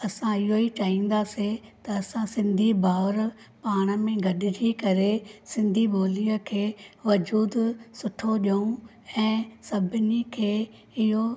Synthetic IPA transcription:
ɐsãɪɦoit͡ʃaːɦĩːn̆d̪aset̪ɐɐsãsɪ̃nd̪ʱibʱaːʋɾ | paːɽ̃ə̆mẽɡʱɐɗɪɾikɐɾesɪ̃nd̪ʱiboːlijəkʰeːʋɐd͡ʑuːd̪sʊʈʰoʄɐũ | ɛ̃ːsɐbʱɪnikʰeː | ɪɦo

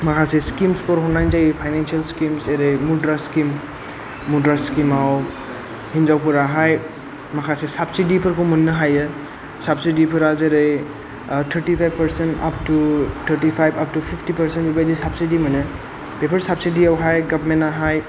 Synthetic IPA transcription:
makʰaseskimspɔɾɦɔnajnzajpʰajnansiɐlskimseɾɯjmudɾaskimː | udɾaskimaw | hinzawpuɾaɦaj | makʰasesapsidipʰɯɾkʰɔmɯnːɯɦajɯ | sap̚sidipʰɯɾazeɾɯj | tʰəɾʈipʰajbpəɾsenta̰p̚tutʰəɾʈipʰajbap̚tupʰipʰtipəɾsenbibajdisapsidimane | pepʰəɾsap̚sidiawɦajɡɐbmenaɦaj

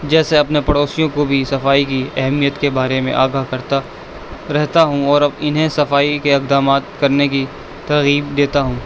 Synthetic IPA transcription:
d͡ʒɛːseɐpnepɐɽoːsijõkobʱisɐfaːikiɛɦmijət̪kebaːɾemḛ̃ʔa̰ːɡaɦkɐɾt̪a | ɾɛɦt̪aɦũɔːɾɐbɪnɦẽsɐfaːikeɪk̚d̪aːmaːt̪kɐɾnek̬i | t̪ɐɾɣiːbd̪eːt̪aɦũː

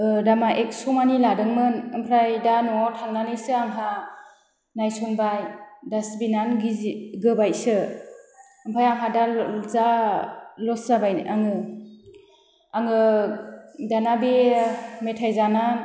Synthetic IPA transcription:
ɯdamaʔek̚sɔmaniladɯŋmɯnɯmpʰɾajdanɔtʰaŋnanɯjsɯaŋɦa | najsɔŋbajdasbinanɡiɡɯbajsɯ | ɯmpʰajaŋɦadaza | lɔszabajaŋɯ | aŋɯ | danabemetʰajzana

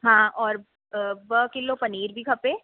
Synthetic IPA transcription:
ɦãːɔːɾ | ʋəkɪlopɐniːɾbʱikʰɐpeː

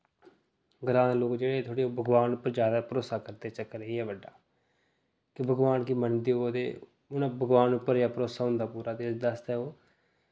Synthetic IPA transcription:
ɡɾaːnloːkd͡ʒeːɽeːt̪ʰoːɽeːoːbʱəɡʋaːnʊpːəɾd͡ʒjaːd̪aːpəɾoːsaːkəɾd̪eːt͡ʃəkːəɾəɦiːɛːʋəɖːaː | kɪbʱəɡʋaːnkiːmənd̪ioːd̪ḛː | ʊnãːbʱəɡʋaːnʊpːəɾjaːpəɾoːsaːɦʊ̃nd̪aːpuːɾaːd̪eːd̪əst̪ɛːoː

